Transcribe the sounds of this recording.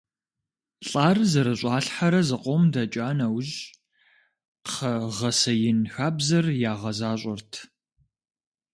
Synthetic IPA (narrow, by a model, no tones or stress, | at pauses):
ɬʼaːrzɐɾɨɕʷʼɑːɬħaɾɐzɨqʷʼɔmdɐt͡ʃʼaːnɐwʑ | qʰɐʁɐsɐjɪnxaːbzɐrjaːʁɐzaːɕʷʼɐrtʰ